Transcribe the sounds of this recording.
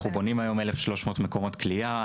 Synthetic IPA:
ubo̞nimajo̞melefʃlo̞ʃmo̞ːtmekomo̞t̪klia

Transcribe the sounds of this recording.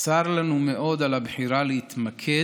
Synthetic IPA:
saɾlanumeʔo̞d̪alabħiɾaleit̪makʰe

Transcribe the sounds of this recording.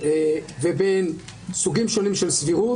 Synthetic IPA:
eveben | suɡimʃo̞nimʃelsviʁu

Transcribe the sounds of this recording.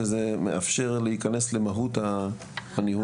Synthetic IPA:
ezemḛʔafʃe̞ʁlehikane̞sle̞maɦutha | hanihu

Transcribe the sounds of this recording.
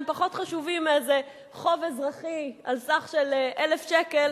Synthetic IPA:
mpaχo̞t̪χaʃuvimeze | χo̞vezʁaχialsaχʃelʔelefʃekel

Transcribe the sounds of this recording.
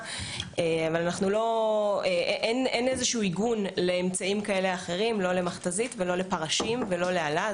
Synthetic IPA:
eavalanaχnulo̞eʔʔenenezeʃuuiɡunle̞ːmt͡saimkae̞le̞aχe̞ʁimlo̞le̞maχt̪azitvelo̞le̞paʁaʃimvelo̞leala

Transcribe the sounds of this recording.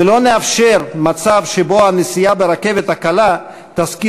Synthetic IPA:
elo̞neafʃe̞ʁmat͡savʃebo̞anesijabeɾake̞ve̞t̪hakala | t̪aski

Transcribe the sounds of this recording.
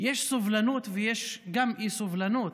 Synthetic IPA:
jeʃsuvlanut̪vejeʃɡamʔisuvlanut̪

